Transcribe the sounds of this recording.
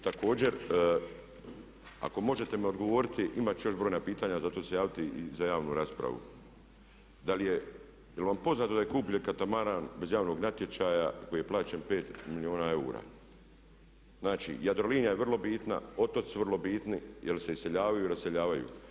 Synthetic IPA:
t̪ako̞ːd͡ʑeɾ | a̰ko̞mo̞ʒe̞t̪e̞mio̞d̪ɡo̞ʋo̞ːɾit̪iʔimat͡ɕejo̞ʃbɾo̞jnapiːt̪aːɲazat̪oːse̞jaːʋit̪iḭzajaːʋnuɾaspɾa̰ʋṵ | d̪alije | jelʋampo̞znaːt̪oaje̞kuːpuʎenkat̪amaɾaːnbe̞zjaːʋno̞ɡnat̪je̞t͡ʃaːjako̞jiːje̞plˠaːt͡ʃenpe̞ːt̪milio̞ːnae̞ṵːɾa̰ː | znaːt͡ʃḭjad̪ɾo̞liːnjajeʋrlo̞biːt̪na̰o̞t̪ot̪suʋərlˠo̞biːt̪nijelse̞ise̞ʎaːʋajuiɾase̞ʎaːʋajṵː

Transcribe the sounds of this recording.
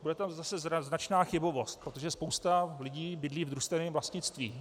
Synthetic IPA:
budɛt̪amzasɛzznat͡ʃnaːxɪbo̞vo̞st̪̚pɾot̪o̞ʒɛspo̞wst̪alɪɟiːbɪdliːvd̪ɾust̪ɛnɛːmvlast̪ɲɪt͡st̪viː

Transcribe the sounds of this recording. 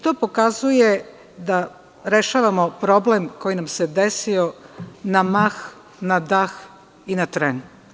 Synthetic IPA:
it̪o̞ːpo̞kazuje | d̪a | ɾe̞ʃaːʋamo̞pɾo̞ble̞mko̞jinamsed̪e̞sio̞namax | nad̪ax | inat̪ɾen

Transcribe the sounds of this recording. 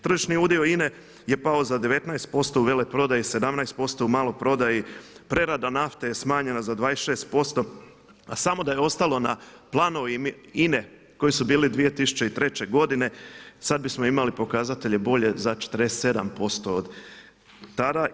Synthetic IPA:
t̪ɾr̩ʒiʃniuːd̪io̞ine̞ | je̞pao̞zad̪e̞ʋe̞t̪naest̪̚po̞st̪o̞uʋe̞lepɾo̞d̪ajise̞d̪amnajst̪po̞st̪o̞umaːlˠopɾo̞d̪ajipɾe̞ɾad̪anaft̪ejesmaːɲe̞nazad̪ʋaːesʃe̞ːst̪̚po̞st̪o̞ | asamo̞d̪aje̞o̞st̪alo̞naplˠaːnoʋimine̞ | ko̞jisubiːlid̪ʋije̞t̪isu̥t͡ɕe̞it̪ɾe̞t͡ɕe̞ɡo̞d̪ine̞sad̪̚bismoimalipo̞kazat̪e̞ʎe̞bo̞ʎe̞zat͡ʃe̥t̪əɾesse̞d̪ampo̞st̪o̞ːd̪ | t̪ad̪a

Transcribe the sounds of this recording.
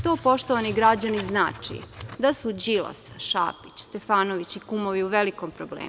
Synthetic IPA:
t̪o̞ːpo̞ʃt̪oʋaniɡɾad͡ʑanizna̰ːt͡ʂḭd̪asud͡ʑilˠa̰sḁʃa̰ːpit͡ɕst̪e̞faːnoʋit͡ɕikumo̞ʋiuʋeliko̞mpɾoblḛːmu

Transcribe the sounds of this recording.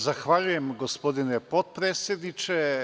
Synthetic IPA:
zaxʋaʎujemɡospod̪inepot̪̚pɾeːt̪sʲjed̪nit͡ʃe

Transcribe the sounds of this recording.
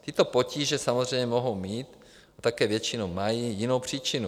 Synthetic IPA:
t̪ɪt̪opociːʒɛsamozr̝ɛjɲɛmoɦowmiːt̪ | at̪akɛːvjɛt͡ʃɪnomajijɪnowpr̝̥iːt͡ʃɪnu

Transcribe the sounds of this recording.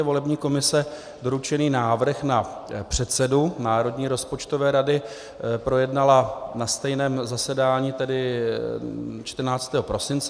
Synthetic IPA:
ɛvo̞lɛbɲiːko̞mɪsɛ | do̞ɾut͡ʃɛniːnaːvr̩xnapr̝̥ɛt̪sɛdunaːɾo̞dɲiːɾo̞spo̞t͡ʃt̪ovɛːɾadɪ | pɾo̞jɛdnalanast̪ɛjnɛːmzasɛdaːɲiːt̪ɛdɪ | t͡ʃt̪r̩naːt͡st̪ɛːɦopɾo̞sɪnt͡s

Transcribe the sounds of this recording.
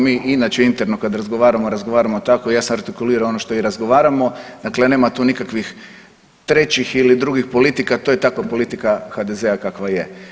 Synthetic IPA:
miːʔinat͡ɕeint̪e̞ɾnokad̪ɾazɡo̞ʋaːɾamoɾazɡo̞ʋaːɾamo̞t̪ako̞ijaːsamaɾt̪ikuliːɾaoo̞noʃt̪o̞iɾazɡo̞ʋaːɾamo̞d̪̥aklene̞ːmat̪uːnikakʋix | t̪ɾe̞t͡ɕixilid̪ɾuɡixpo̞lit̪ikat̪oːje̞t̪akopo̞lit̪ikaxad̪e̞zeakakʋaje

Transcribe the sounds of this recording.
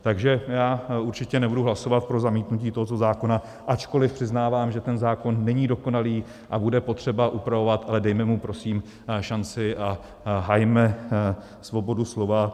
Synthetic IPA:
t̪aɡʒɛjaːuɾt͡ʃɪcɛnɛbuduɦlaso̞vat̪̚pɾo̞zamiːt̪nuciːt̪o̞ɦot̪ozaːko̞na | ʔat͡ʃko̞lɪfpr̥ɪznaːvaːmʒɛt̪ɛnzaːko̞nːɛɲiːdo̞ko̞naliː | ʔabudɛpo̞t̪r̝̥ɛbaʔupɾavo̞vat̪ʔalɛdɛjmɛmupɾo̞siːm | ʃant͡sɪʔa | ɦajmɛ | svo̞bo̞duslo̞va

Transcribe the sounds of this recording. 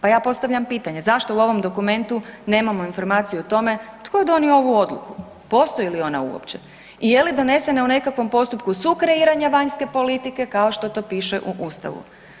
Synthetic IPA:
pajaːpo̞st̪aʋʎʲampiːt̪aɲe̞zaʃt̪o̞uo̞ʋo̞md̪o̞kume̞nt̪une̞ːmamo̞info̞ɾmaːt̪sijuot̪o̞me̞t̪ko̞d̪o̞nio̞ʋuo̞d̪lṵku | po̞st̪o̞ilio̞na̰ṵo̰pt͡ɕe̥ | ije̞lid̪o̞ne̞se̞neune̞kakʋo̞mpo̞st̪upkusukɾe̞iːɾaɲaʋaɲske̞po̞lit̪ike̞kao̞ʃt̪o̞t̪o̞ːpiːʃe̞ʔuʔust̪a̰ʋṵ

